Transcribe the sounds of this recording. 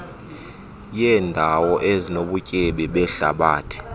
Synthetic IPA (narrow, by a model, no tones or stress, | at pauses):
jɛːndʱawɔʔezinoɓucʼɛɓɛɓɛɬa̰ɓaːtʰɛ̥